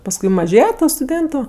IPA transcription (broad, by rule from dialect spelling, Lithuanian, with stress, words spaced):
pɐsˈkʊɪ mɐˈʒʲeːjɛ ˈtuː stʊˈdʲeːntʊ